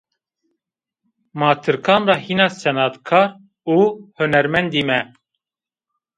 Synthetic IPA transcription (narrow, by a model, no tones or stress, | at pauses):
mɑːt̪ʰɨɾkʰɑːnrɑːhiːnɑːsɛnɑt̪kʰɑːɾ | uːhʊnɛɾmɛnd̪iːmɛ